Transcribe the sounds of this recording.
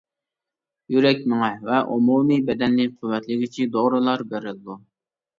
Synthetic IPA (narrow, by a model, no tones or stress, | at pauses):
jyɾɛkʲmɪŋɛvɛʔumumibɛd̪ɛnːɪqʰʊwːɛt̪lɪɡʲit͡ʃʰid̪oʁɾɨlˠɑɾbeɾɪld̪u